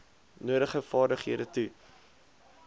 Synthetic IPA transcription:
nuəɾəχəfɑːrdəχiədətu

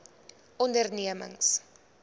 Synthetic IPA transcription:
ʔɔndərniəmə̰ŋs

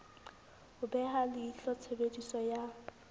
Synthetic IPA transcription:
hʊbɛɦalɪiɬɔt͡sʰebedʼisɔja

